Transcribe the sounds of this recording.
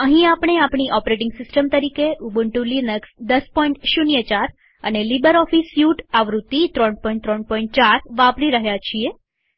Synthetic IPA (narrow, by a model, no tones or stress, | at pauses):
əɦĩapɳ̃eapɳiʔɔpɾeʈɪŋɡsɪsʈəmt̪əɾikeʔubəɳʈulinəksd̪əspɔĩɳʈʃunjət͡ʃaɾ | ənelibəɾɔfisjuʈaʋɾut̪ːit̪ɾɔɳpɔiɳt̪ɾɔɳ̚pɔ̃ĩɳʈ̚t͡ʃaɾʋapɾiɾəɦjat͡ʃʰie